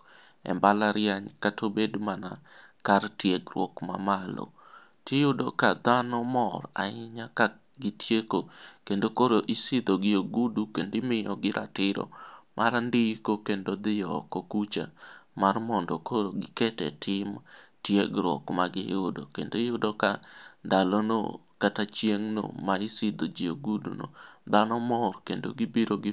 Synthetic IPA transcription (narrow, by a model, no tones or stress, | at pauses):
ɛ̰mbalaɾɪjaɲkatobedmanakartjeɡrwɔkma̰malo̰ | tɪjʊdokad̪anɔmɔra̰ɪɲaka | ɡɪtjekokendokoɾoʔisid̪oɡɪoɡudukendɪmɪjɔɡɪɾʔa̰tɪɾɔ̰mʔaɾandɪkokendod̪ɪjɔkokut͡ʃa̰marmɔndɔkoɾoɡɪketɛ̰tʰɪmtjeɡɾwɔ̰kmaɡɪjodo̰kendoɪjodokandalono̰ | katat͡ʃjeŋno̰maisɪd̪od͡ʒɪjoɡudṵno̰d̪anɔmɔrkendo̰ɡibiɾoɡɪ